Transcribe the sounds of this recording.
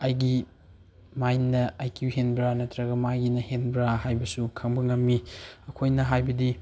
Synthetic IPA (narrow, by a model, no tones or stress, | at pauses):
ɐjɡi | majnːɐajkjuhenbɾanɐtɾɐɡɐmajɡinɐhenbɾahajbɐsukʰɐŋbɐŋɐmːiɐkʰojnɐɦajbɐdi